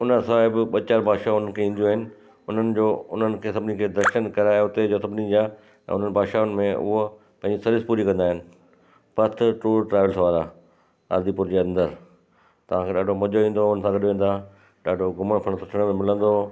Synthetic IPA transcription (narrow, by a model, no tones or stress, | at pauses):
ʊnəsaːɦɪbɓɐt͡ɕaːɾbʱaːd̪ʃaʊnənkʰeĩːn̆d̪ijuaːɦɪnɪ̆ | ʊn̤ənɪ̆d͡ʑoːʊn̤ənɪ̆kʰeːsɐbɪnikʰeːd̪ɾɐʃənkɐɾaːeʊt̪ed͡ʑoːsɐbnĩd͡ʑaː | ɛ̰̃ːʊn̤ənɪ̆bʱaːdʃaːʊnɪ̆mẽʔʊ̰ɦo | pɐ̃ɦɪ̃ɲd͡ʑisɐɾɪspuːɾikɐ̃nd̪aːɦɪnɪ̆ | pɐt̪ʰʈuːɾʈɾaːʋəlsʋaːɾa | ɐ̰ɾd̪ipʊɾd͡ʑeːɐ̃nd̪əɾ | t̪ɐʋ̤ãkʰeːɗaːɖʱomɐd͡ʑoʋĩːn̆d̪oʊnəsãɡɐɗʋẽːn̆d̪a | ɗaːɖʱoɡʊməɽ̃pʰɐɽ̃sʊʈʰəɽ̃mẽmɪlə̃nd̪oː